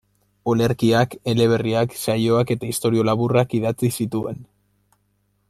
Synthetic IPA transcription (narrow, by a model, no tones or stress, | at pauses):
o̞le̞ɾkiake̞le̞β̞e̞riaksajo̞ake̞t̪aist̪o̞ɾio̞laβurakiðat͡sisit̪ue̞̰n